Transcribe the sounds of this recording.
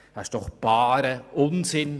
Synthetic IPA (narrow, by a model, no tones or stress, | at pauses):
haʃd̥ɔχb̥ɑːɾəʔʊnsɪn